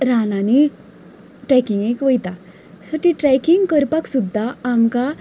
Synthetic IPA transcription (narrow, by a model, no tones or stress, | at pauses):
ɾanani | ʈɾɛkiŋɡekʋəjt̪a | səʈiʈɾɛkiŋɡkəɾpaksud̪ʱːaːmka